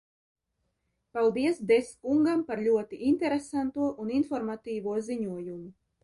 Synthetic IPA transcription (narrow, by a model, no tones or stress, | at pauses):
palˠd̪iɛsd̪eskuŋɡampaɾlʲuɔt̪iʔint̪ɛɾesant̪uɔʔuninfɔɾmat̪iːvuɔziɲuɔjumu